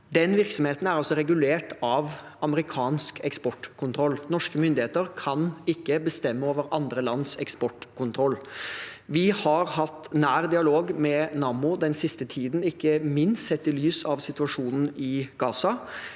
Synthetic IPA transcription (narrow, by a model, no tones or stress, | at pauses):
d̪ɛnʋɪɾksɔmheːt̪n̩æɾɑlsɔɾɛɡʉleːʈɑʋɑməɾɪkʰɑːnskɛkspɔʈːkʰʊnt̪ʰɾɔlːnɔʂkəmʏnd̪ɪheːt̪əɾkʰɑnɪkːəbəst̪ɛmːəoːʋəɾɑnd̪ɾəlɑnːsɛkspɔʈkʰʊnt̪ʰɾɔlː | ʋɪhɑɾhɑt̪ːnæːɾd̪ɪɑloːɡmɛnɑːmʊd̪ɛnsɪst̪ət̪ʰiːd̪n̩ɪkːəmɪnst̪sɛt̪ːɪlyːsɑʋsɪt̪ʉɑʂuːnn̩ɪɡ̥ɑːsɑ